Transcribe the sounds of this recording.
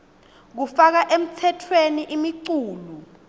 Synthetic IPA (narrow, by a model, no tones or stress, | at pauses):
k̬ufak̬aʔem̩tʰɛtʰweniʔimiǀuːlu